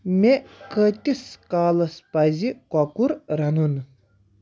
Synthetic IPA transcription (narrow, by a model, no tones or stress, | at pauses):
mekʰət̪ʲiskaːlɐspɐzikɔkuɾɾɐnun